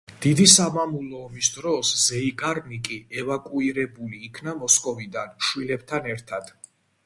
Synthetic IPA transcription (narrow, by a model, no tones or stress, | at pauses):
d̪̥id̪isamamulˠɔːmisd̪ɾɔszɛikʼaɾnikʼiɛvakʼuiɾɛbuliːkʰnamɔskʼɔvid̪anʃwilɛbt̪ʰanɛɾt̪ʰad̪̥